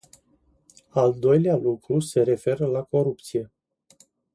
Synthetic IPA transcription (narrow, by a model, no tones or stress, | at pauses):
ald̪o̞jlealukɾuse̞ɾe̞fe̞ɾəlako̞ɾup̚t̪sije̞